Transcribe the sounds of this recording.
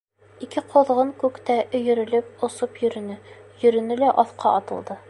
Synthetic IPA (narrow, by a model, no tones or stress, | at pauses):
ikɘqʰŏðʁɤŋkʉkt̪æʔɵ̆jɵ̆ɾɘ̆lɘp̚ŏsopjɵ̆ɾɘ̆nɘjɵ̆ɾɵ̆nɘlæʔɒθqɑʔɒt̪ɤ̆lˠd̪ɤ